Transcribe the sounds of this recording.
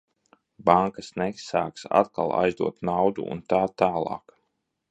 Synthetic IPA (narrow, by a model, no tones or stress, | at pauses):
baŋkasnɛsaːksa̰t̪̚ka̰lˠa̰jzd̪uɔt̪nawd̪ṵṵnt̪aːt̪aːlˠɑ̰ːk